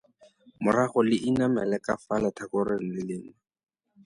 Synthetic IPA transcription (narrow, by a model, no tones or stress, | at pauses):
mʊraχɔlɪʔinamɛlɛkafalɛtʰakʊɾɪl̩lɪlɪːna